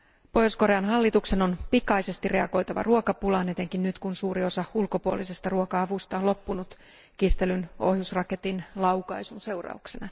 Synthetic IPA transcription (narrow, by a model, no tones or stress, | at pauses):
po̞josko̞ɾeɑnɦɑlːit̪ukse̞no̞npikɑjse̞st̪irʔe̞ɑɡ̥o̞jt̪ɑʋɑ̰ruokɑpulɑːnet̪eŋkinnyt̪kunsuːɾio̞sɑulko̞puo̰lisest̪ɑruokɑɑʋust̪ɑlo̞pːunut̪ | kist̪elyno̞̰hjusrɑke̞t̪inlɑwkɑjsunse̞urɑ̰uksenɑ